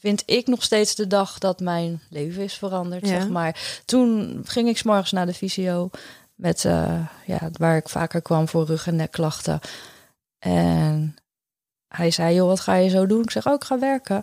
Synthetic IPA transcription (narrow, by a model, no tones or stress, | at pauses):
fɪntɪknɔχstejtsdədɑχdɑtmɛjnlejvəɪsfərɑndəɹttsɛχmaːɹtunχɪŋɪksmɔɹχənsnaːdəfiziow | mɛtə̰ja̰ːʋaːɹɪkfa̰ːkəɹkʋɑmvʊːɹrɵχɛnɛklɑχtə̰ | ʔɛ̰n | hɛjzɛjjoʋɑtχaːjəzowdunɪksɛχowɪkχaːʋɛɹkə